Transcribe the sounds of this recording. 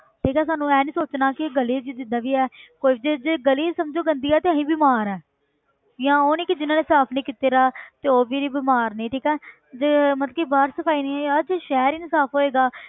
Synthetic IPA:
ʈʰiːkɛːsaːnũːɛːniːsoːt͡ʃnaːkɪɡəliːd͡ʒd͡ʒ̪ɪd̪ãːʋiːɛːkoːiid͡ʒed͡ʒeɡəliːsəmd͡ʒoːɡənd̪iːɛːt̪eːəɦĩːbiːmaːɾɛː | jãːoːnĩːkid͡ʒɪnãːneːsaːpʰnĩːkiːt̪eːɾaːt̪eːoːbiːɾiːbiːmaːɾnĩːʈʰiːkɛː | d͡ʒemət̪ləkiːbaːɾsəpʰaːiːnĩːɛːəd͡ʒʃɛːɾiːnɪsaːpʰɦoːeːɡaː

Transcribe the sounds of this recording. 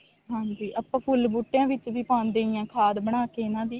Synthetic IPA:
ɦãːnd͡ʒiːʔəpãːpʰʊlbuʈːjãːʋɪt͡ʃʋiːpãːnd̪eːɪjãːkʰaːd̪bəɽ̃aːkeːɪnãːd̪iː

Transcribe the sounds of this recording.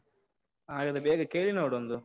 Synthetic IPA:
aːɡɐd̪ɐbeːɡɐkeːlinoːɽond̪u

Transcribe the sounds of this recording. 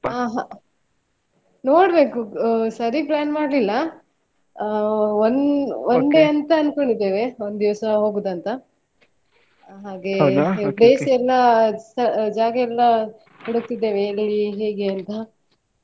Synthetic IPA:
aːɦa | noːɽbe̞ːkusɐɾiplaːnmaːɽlilːɐ | onond̪e̞ɐnt̪ɐɐnkoɳɖid̪ːeːʋe̞ond̪d̪iʋɐsɐɦo̞ːɡuːd̪ɐnt̪ɐ | ɦaːɡebɾeːsɛlːɐsɐd͡ʒaːɡɐɛlːɐ | kɐɽuk̚t̪id̪ːe̞ːʋeɾliɦe̞ːɡeɐnt̪ɐ

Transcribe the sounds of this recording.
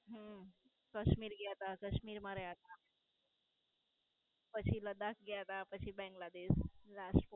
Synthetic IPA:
ɦə | kəɕmiːɾɡɛt̪akəɕmiːɾmaɾəjat̪a | pət͡ɕʰiləd̪ak̚ʰɡɛt̪apət͡ɕʰibɛ̃ŋɡlad̪eslasʈf

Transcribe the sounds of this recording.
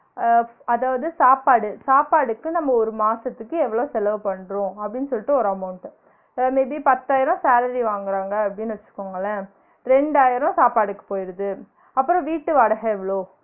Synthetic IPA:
ɐðaːʋɐðɯsaːpaːɽɯsaːpaːɽɯkːɯnɐmːɐɔɾɯmaːsɐt̪ːɯkːɯɛʋːɐɭoːsɛlɐʋɯpɐɳːɾõɐpːɐɽɪnːɯsɔlːɪʈːɯɔɾɐːmɐʊnt̪ | mebipɐt̪ːaːjɪɾɔ̃saːlɐɾiʋaːŋɡɪɾaːŋɡɐɐpːɐɽɪnːɯʋɐt͡ʃːɯ̥kːoːŋɡɐlːɐ | ɾɛɳɖaːjɪɾɔ̃saːpaːɽɯkːɯ̥poːjɪɾɐðɯ | ɐpːɯɾɔ̃ʋiːʈːɯʋɐɽɐɣɐɛʋɐɭoː

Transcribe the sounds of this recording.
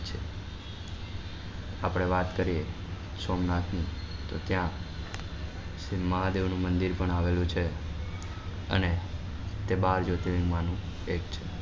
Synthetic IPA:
t͡ʃʰe | apɽ̃eʋat̪kəɾie | somnat̪nit̪ot̪jã | sməɦad̪eʋnũmənd̪iɾpəɳaʋelũt͡ʃʰe | ə̰ne | t̪ebaɾd͡ʒot̪ilĩŋɡmanũekt͡ʃʰe

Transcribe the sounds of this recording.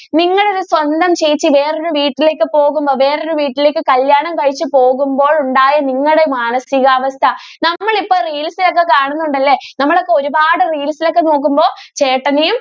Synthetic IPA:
niŋːɐɽeoɾuswɐnd̪ɐmt͡ɕe̞jit͡ɕːɨʋe̞ːroɾuʋiːʈːile̞ːkːɨpo̞ːɣumbo̞ːʋe̞ːreoɾuʋiːʈːileːk̬ːɨkɐljaːɳɐmkɐɻit͡ɕːɨpo̞ːɣumbo̞ːɭuɳɖaːjɐniŋːɐɽe̞maːnɐsiɣɐːʋɐst̪ʰɐnɐmːɐɭipːoːriːlsilo̞kːe̞kaːɳunːuɳɖɐlːe̞nɐmːɐɭo̞kːe̞o̞ɾubaːɽɨriːlsilo̞kːe̞no̞ːk̬ːumbo̞ːt͡ɕe̞ːʈːɐnejum

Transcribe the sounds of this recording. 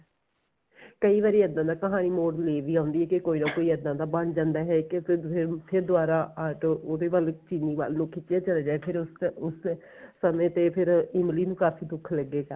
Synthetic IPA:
kəiːʋaːɾiːəd̪ãːd̪aːkəɦaːniːmoːɖleːʋiːɦãːʊnd̪iːɛːkekoːiːnãːkoːiːəd̪ːãːd̪aːbəɳd͡ʒãːnd̪aːɦɛːkɪpʰɪɾpʰɪɾd̪ʊaːɾaːaːʈooːd̪eːʋaːlt͡ʃinːiːʋa̰ːlnũːkʰɪt͡ʃːaːt͡ʃəleːd͡ʒaːepʰɪɾʊsʊs | səmẽːt̪eːpʰɪɾɪmliːnũːkaːfʰiːd̪ʊkʰləɡːeːɡaː

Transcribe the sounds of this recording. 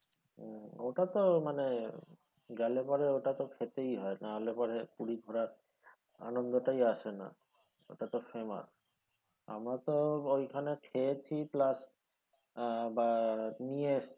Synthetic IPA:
oʈat̪omane | ɡɛlepɔɾeoʈat̪okʰet̪ejɦɔenaalepɔɾepuɽiɡʱɔɾa | a̰nond̪oʈajaʃena̰ | o̰ʈat̪ɔfʰema̰s | a̰mɾat̪oojkʰanekʰeet͡ɕʰiplas | banies

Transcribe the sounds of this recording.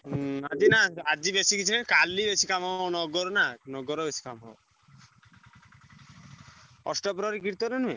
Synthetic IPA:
ad͡ʒinaad͡ʒibesikit͡ʃʰinenkalːibesikamanɔɡɔɾɔnanɔɡɔɾɔbesi̥kamɔ̰w | ɔsʈɔpɾɔɾikiɾt̪ɔnɔnue

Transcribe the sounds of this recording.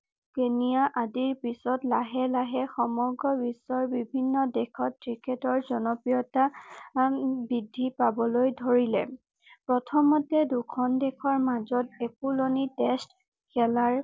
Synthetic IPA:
kenijaʔadiɹpisɔtlaɦɛlaɦɛxɔmɔɡɹɔbisɔɹbibʱinːɔdɛkʰɔtːkɹiketɔɹzɔnɔpɹijɔta | bidʱːipabɔlojdʱoɹilɛ̰ | pɹɔtʰɔmɔtɛdukʰɔndɛkʰɔɹmazɔtɛkulonitɛst | kʰɛlaɹ

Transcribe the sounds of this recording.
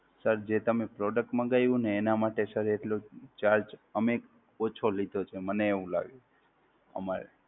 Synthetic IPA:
səɾd͡ʒet̪əmepɾɔɖək̚ʈmãɡajʋũneːnamaʈesəɾeʈlot͡ʃaɾd͡ʒəmeːk | ot͡ʃʰolid̪ʱot͡ʃʰeməneːʋũla̰ɡe | ə̰maɾḛ

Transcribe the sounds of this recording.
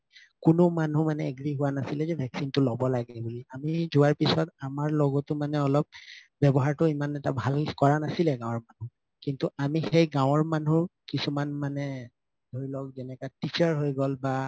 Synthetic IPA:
kʊnʊmanumanɛeɡɹiɦʊwanasilɛzɛbʱɛksintʊlɔbɔlaɡɛbuliamizʊwaɹpisɔtamaɹlɔɡɔtʊmanɛɔlɔp̚ | bɛbɔɦaɹtʊimanɛtabʱalkɔɹanasilɛɡãw̃ɔɹmanu | kintuʔamixejɡãwɔɹmanuɹkisumanmanɛ | dʱoɹilɔk̚zɛnɛkatit͡ʃɔɹɦojɡɔlba

